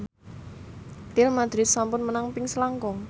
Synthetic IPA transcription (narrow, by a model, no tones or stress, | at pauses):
t̪ɪlmad̪̥ɾɪt̪̚sampʊnmənaŋpɪŋsəlaŋkɔŋ